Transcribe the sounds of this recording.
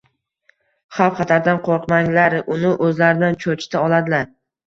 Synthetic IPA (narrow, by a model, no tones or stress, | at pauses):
χafχɑt̪ʰaɾd̪anqʰoɾqmaŋlaɾɪʔʊnɪʔɵzlaɾɪd̪ant͡ʃʰot͡ʃʰt̪ʰaɒlˠad̪ɪlaɾ